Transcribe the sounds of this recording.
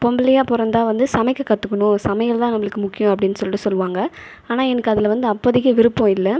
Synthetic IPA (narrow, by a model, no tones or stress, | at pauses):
pɔmbɪlɐjaːpʊɾɐnd̪aːʋɐnd̪ɯsɐmɛɪkːɐkːɐt̪ːɯkːɐɳʊ̃sɐmɐjɐlt̪ãːnɐmːɐɭɯkːɯmʊkːɪjʊ̃ɐpːɐɽɪnːɯsɔlɪʈːɯsɔlːɯʋaːŋɡɐ | aːnaːɛnɐkːɯɐðɪlʋɐnd̪ɯɐpːɐːðɪkːɐʋɪɾɯpːõːɪlːɐ